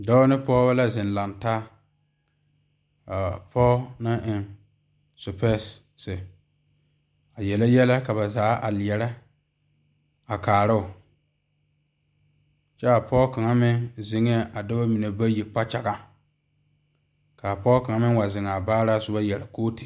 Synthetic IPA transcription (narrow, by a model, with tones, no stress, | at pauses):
dɔː˦nɪ˦pɔː˦ba˦la˦zɪ˨nla˨ntaː˦˨ | pʰɔː˦na˦ʔɪ˨ŋ | sʊ˨pɛ˦s | sɪ˨ | a˨jɛ˨la˦jɛ˦la˦ka˨βa˨zaː˨˦ʔa̰˨lɛ˨ɾɛ˦ | a˨kaː˨ɾɪ˦ʊ˨ | t͡ʃɛ˦a˨pʰɔː˦ka˨ŋa˦mɪ˦zɪ˨ŋ˦ɛ˦ʔa˨dɔ˦ba˦mi˨ne˨ba˦ji˨k͡pa˦t͡ʃa˨ɡa˦ | ka˨pɔː˦ka˨ŋa˦mɪ˦wa˨zɪ˨ŋa˨baː˦ɾa˦˨sʊ˦ba˦jɛ˨ɾa˨koː˦tɪ˨